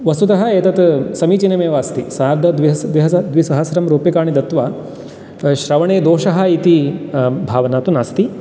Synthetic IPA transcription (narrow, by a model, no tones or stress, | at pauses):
ʋɐsut̪ɐɦɐeːt̪ɐt̪sɐmiːt͡ʃinemeːʋaːst̪isaːɾd̪ʱɐd̪ʋiɦɐd̪ʋiɦɐsɐd̪ʋisɐɦɐsɾɐmɾoːpjɐkaːɳid̪ɐt̪ʋaː | ʃɾɐʋɐɳeːd̪oːʃɐɦɐ̆it̪ibʱaːʋɐnaːt̪unaːst̪i